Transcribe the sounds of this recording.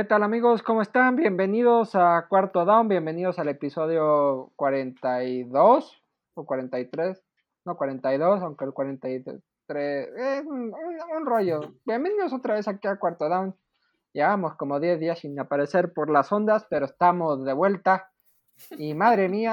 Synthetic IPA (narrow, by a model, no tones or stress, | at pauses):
ket̪alamiɣo̞sko̞moe̞st̪anbje̞mbe̞niðo̞sakwaɾt̪oðawmbje̞mbe̞nið̞o̞sale̞piso̞ð̞jokwaɾe̞nt̪ajðos | okwaɾe̞nt̪ajt̪ɾes | no̞kwaɾe̞nt̪ajðo̞sawŋkelkwaɾent̪aj | t̪ɾesesunuunroʝo̞b̥jembeniðosot̪ɾaβe̞sakiakwaɾt̪oðawn | ɟ͡ʝeβamo̞sko̞mo̞ðje̞zðiasinapaɾe̞se̞ɾpo̞ɾlaso̞nd̪aspe̞ɾoest̪amo̞zðe̞βwe̞lt̪a | imaðɾe̞mia